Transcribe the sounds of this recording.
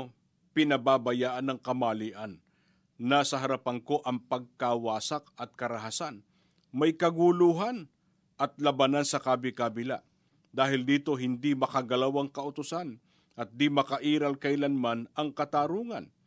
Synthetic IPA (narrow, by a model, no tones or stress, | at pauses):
pɪnɐbaːbɐjaːʔɐnɐŋkɐmaːliʔɐnː | asɐɦɐɾɐpɐŋko̞ʔɐŋpɐɡ̚kawaːsak̚ɐt̪̚kɐɾɐɦasan | mɐjkɐɡuluːɦan | ʔɐt̪̚lɐbanansɐkaːbɪkabɪlaʔ | d̪aːɦɪld̪iːt̪o̞ɦɪnd̪imɐkɐɡɐlawɐŋkɐʔʊt̪ʊsan | ʔɐt̪̚d̪imɐkɐʔiːɾɐlkɐɪlanmanɐŋkɐt̪aːɾuːŋɐn